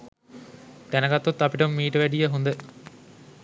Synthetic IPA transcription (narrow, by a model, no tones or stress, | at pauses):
t̪ænəɡat̪ːot̪ːapiʈəmːiːʈəʋæɖijəɦund̪ə